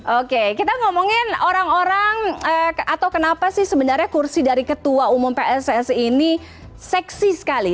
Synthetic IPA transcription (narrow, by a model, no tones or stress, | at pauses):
ʔokekit̪aŋomoŋɪnoɾaŋoɾaŋəːat̪awkənapasɪhsəbənarɲakursidaɾikət̪uaumʊmpeʔɛsɛsini | sɛksisə̥kali